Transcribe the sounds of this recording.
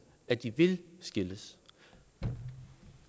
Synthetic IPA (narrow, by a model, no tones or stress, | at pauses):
æd̥iʋe̝lsɡ̥e̝ləs